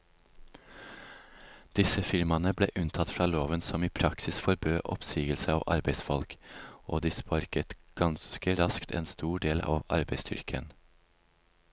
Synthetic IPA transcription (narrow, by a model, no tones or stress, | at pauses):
d̪̥ɪsəfɪɾmɑnəblḛːʔʉnt̪ʰɑt̪fɾɑːloːʋənsɔmiːpʰɾɑksɪsfɔɾbøːʔɔ̰psiːɡəlsəɑ̰ːʔɑɾbeɪsfɔlkoːd̪iːspɑɾkət̪ɡ̥ɑnskəɾɑskt̪ʰɛ̰ːnst̪uːɖeːlɑ̰ːʋɑ̰ɾbæɪst̪ʰʏ̰ɾkʰə̰n